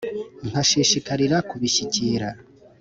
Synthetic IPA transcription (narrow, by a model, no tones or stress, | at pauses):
ŋ̥haʃiʃikaɾiɾakuβiʃiciːɾa